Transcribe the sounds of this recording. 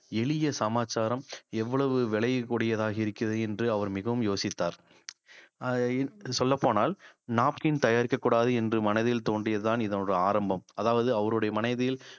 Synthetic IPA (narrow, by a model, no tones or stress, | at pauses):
ɛɭɪjɐsɐmaːt͡ʃːaːɾɐmɛʋːɐɭɐʋɯʋɛɭɐjkːʊɽɪjɐðaːɣɐɪɾɯkːɪɐðɯɛndrɯɐʋɐɾmɪɣɐʋɯmjoːsɪt̪ːaːɾ | sɔlːɐpːoːnaːlnaːp̚kɪnt̪ɐjaːɾkɐkːuːɽaːðɯɛndrɯmɐnɐðɪlt̪oːɳɖɪjɐðɯt̪aːnɪðɐnɔɾɯaːɾɐmbɐmɐðaːʋɐðɯɐʋɐɾɯɽɐjɐmɐnɐɪðɪjɪl